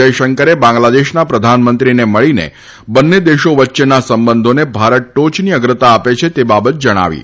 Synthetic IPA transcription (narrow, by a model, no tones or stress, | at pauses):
əjʃəŋkəɾebãŋɡlad̪eʃnapɾəd̪ʱanmənt̪ɾineməɭinḛ | bənːed̪eʃoʋətːʃenasəmbənd̪ʱonebʱaɾəʈ̚ʈot͡ʃniəɡɾət̪aːpet͡ʃʰet̪ebabət̪̚d͡ʒəɽ̃a̰ʋḭ